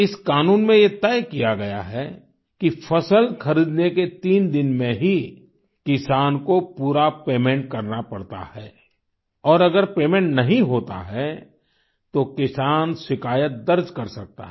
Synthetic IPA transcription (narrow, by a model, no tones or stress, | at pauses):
ɪskaːnuːnmẽjet̪ɛːkijaɡɐja̰ɦɛ | kifɐsəlxʰɐɾiːd̪neket̪iːnd̪ɪnmẽɦi | kɪsaːnkopuːɾapeːmẽɳʈ̚kɐɾnapɐɽt̪a̰hɛː | ɔːɾɐɡəɾpeːmẽɳʈnɐɦĩɦoːt̪a̰ɦɛ | t̪okɪsaːnʃɪkaːjət̪̚d̪ɐɾd͡ʒkɐɾsɐk̚t̪a̰ɦɛ